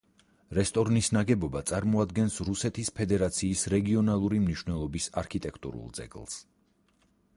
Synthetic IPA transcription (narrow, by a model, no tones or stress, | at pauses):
ɾɛst̪ʼɔɾnisnaɡɛbɔbat̪sʼaɾmɔad̪ɡɛnsɾusɛt̪ʰispʰɛd̪ɛɾat̪sʰiːsɾɛɡiɔnalˠuɾimniʃwnɛlˠɔbisaɾkʰit̪ʼɛkʰt̪ʼṵɾṵlˠd̪z̥ɛ̰ɡlˠs